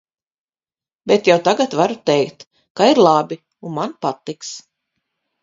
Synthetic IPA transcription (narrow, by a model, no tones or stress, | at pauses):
bʲet̪jawt̪aɡat̪vaɾut̪ɛjkt̪ | kaiɾlˠabi | unmanpat̪ːiks